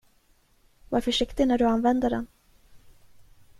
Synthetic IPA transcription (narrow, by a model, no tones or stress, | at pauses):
vaɾfœʂɪkt̪ɪnæɖɵanvɛnd̪əɖɛ̰n